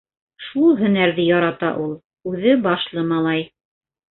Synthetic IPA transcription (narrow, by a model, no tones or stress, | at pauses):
ʃulˠɦɵ̆næɾðɘjɑɾɑt̪ɑʔulˠ | ʉðɘbɑʃlˠɤmɑlˠɑj